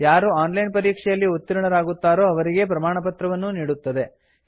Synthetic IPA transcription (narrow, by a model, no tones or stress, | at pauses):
jaːɾuaːnlɐjnpɐɾiːkʂɛjɐlːiut̪ːiɾɐɳɐɾaːɡut̪ːaːɾo̞ːɐʋɐɾiɡe̞pɾɐmaːɳɐpɐt̪ɾɐʋɐnːuniːɽut̪ːɐd̪e̞